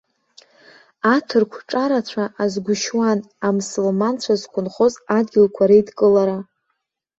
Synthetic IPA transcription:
atʰɨrkʷʰʈ͡ʂʼaɾat͡ɕʷʰaʔazɡʷʊʃwan | amsɨlmant͡ɕʷʰazkʷʰʊnχo̞zadɡʲɪlkʷʰaɾaidkʼɨlaɾa

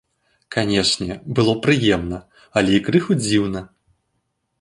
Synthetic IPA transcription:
kanʲɛʂnʲɛbɨlˠɔpɾɨjɛmnɐ | ɐlʲɛikɾɨxud͡zʲiwnɐ

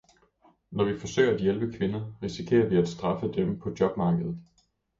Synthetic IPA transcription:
nɒʋifɒ̽sø̰ɪɐæd̥jelb̥əkʰʋe̝nɐʁisikʰe̝̰ːɐʋiæd̥sd̥ʁɑ̈fəd̥empʰɒ̽d̥jɒ̽b̥̚mɑ̈ːɡ̥əð̩ˠ

